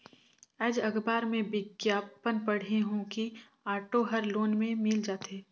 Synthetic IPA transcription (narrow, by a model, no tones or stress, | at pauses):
ɛːd͡ʒɐɡbaːɾmẽbɪɡjaːpənpɐɽ̤eɦõki | aːʈoɦɐɾloːnmẽmɪld͡ʒaːt̪ʰeː